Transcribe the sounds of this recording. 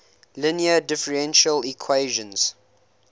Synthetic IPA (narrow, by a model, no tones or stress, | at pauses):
lɪniədɪfəɹɛ̃nʃəlikʰweːʒə̃nz̥